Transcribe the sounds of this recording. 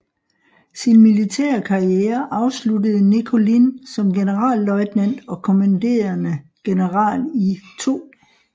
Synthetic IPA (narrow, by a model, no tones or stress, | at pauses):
sinmilit͡sʰɛ̰ːɐkʰɑ̈ʁieːɐʔɑ̈ʊsludəð̞̩ˠnikʰo̝linsɒ̽mɡ̥e̝nəʁɑ̰̈ːlːɒ̽ɪd̥næn̰d̥ɒ̽kʰo̝mænd̥e̝̰ːɐnəɡ̥e̝nəʁɑ̰̈ːlit͡sʰo̝̰ː